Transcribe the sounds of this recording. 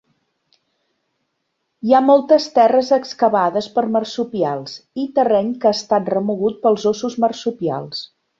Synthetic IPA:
iamɔlˠt̪əst̪ɛrəzəkskəβaðəspəɾmərsupialˠsit̪ərɛɲkaːst̪at̪̚rəmuɣut̪̚pəlˠzosuzmərsupia̰lˠs

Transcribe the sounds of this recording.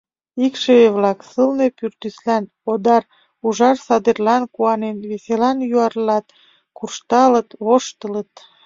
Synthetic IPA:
ikʃeeβlɑksəlne̽pyrt̪yslæn | od̪ɑr | uʒɑrsɑd̪erlɑnkuɑnenβeselɑnjuɑrlɑt̪̚ | kurʃt̪ɑlət̪βoʃt̪ələt̪

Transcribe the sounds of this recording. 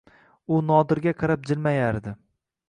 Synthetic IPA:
ʊnɒd̪ɪɾɡʲaqʰɑɾap̚d͡ʒɪlmajaɾd̪ɪ

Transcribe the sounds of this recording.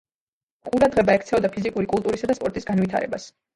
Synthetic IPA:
qʼuɾad̪ʁɛbaɛkʰt̪sʰɛɔd̪apʰizikʼuɾikʼulˠt̪ʼuɾisad̪aspʼɔɾt̪ʼisɡanvit̪ʰa̰ɾɛ̰bas

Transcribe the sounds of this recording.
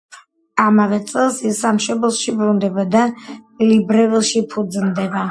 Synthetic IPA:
amavɛt̪sʼɛlˠsisamʃɔbɛlˠʃibɾund̪ɛbad̪alibɾɛvɛlˠʃipʰud̪znd̪ɛba

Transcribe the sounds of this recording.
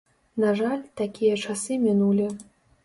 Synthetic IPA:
naʐalʲt̪akʲijɐt͡ʂasɨmʲinulʲi

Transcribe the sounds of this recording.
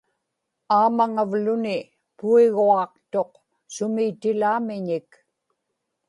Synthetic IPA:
aːmaŋavlʊnɪ | puiɣuɑq̚t̪o̞q̚ | sʊmiːt̪ɪlaːmɪɲɪk

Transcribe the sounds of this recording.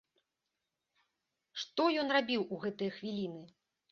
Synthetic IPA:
ʂt̪ɔjɔnrabʲiwuɣɛt̪ɨjɐxvʲilʲinɨ

